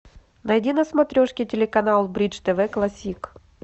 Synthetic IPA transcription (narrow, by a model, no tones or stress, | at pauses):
nɐjdʲinɐsmɐt̪ɾʲoʂkʲɪtʲɪlʲɪkɐnalˠbɾʲit͡ʂt̪ɛvɛklˠɐsʲik